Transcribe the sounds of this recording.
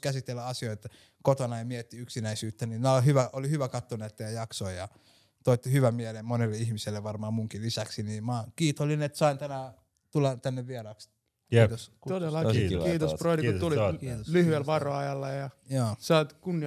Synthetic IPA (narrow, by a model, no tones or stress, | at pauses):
kæsit̪ːelːæɑsioit̪ː | kot̪onɑjɑmiet̪ːiyksinæisyːt̪ːæninæolhyʋæolihyʋækɑt̪ːonet̪ːejæjɑksoijɑ | t̪oit̪ːihyʋæmielemmonelːeihmiselːeʋɑrmɑːmmuŋkilisæksiniːmɑkiːt̪olːinet̪sɑint̪ænæ | t̪ulːɑt̪ænːeʋʋierɑks | kiːt̪os | t̪odelːɑkiːt̪osproidikt̪ulioslyhyelʋɑroɑjɑlːɑjɑjoːsɑit̪kunːi